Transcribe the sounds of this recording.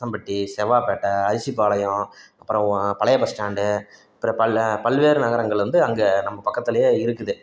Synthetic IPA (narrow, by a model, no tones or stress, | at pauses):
ɐmbɐʈːisɛʋaːpeːʈːɐːðɪsipːaːɭɐjʊ̃ɐpːɯɾɐ̃pɐɭɐjɐpɐsʈaːɳɖɯɐpːɯɾɐpɐlpɐlʋeːɾɯnɐɣɐɾɐŋɡɐɭʋɐnd̪ɯɐŋɡenɐmːɐpɐkːɐt̪ːɪlɐjeːɪɾɯkːɯðɯ